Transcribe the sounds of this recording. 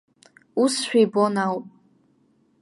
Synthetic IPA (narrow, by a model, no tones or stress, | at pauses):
usʃᶣajbonawpʼ